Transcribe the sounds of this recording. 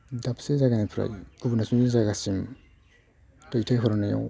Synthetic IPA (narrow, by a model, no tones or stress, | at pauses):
dapʰsezaɡanapʰɾa̰jubunasuŋezaɡasim | tɔjtʰajɦɔɾanaja̰w